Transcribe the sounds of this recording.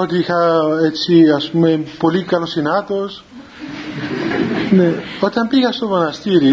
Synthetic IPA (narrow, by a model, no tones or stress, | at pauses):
ot̪ixaet͡ʃiasmepolikalosinat̪os | neot̪ampiɣasoβonast̪iɾi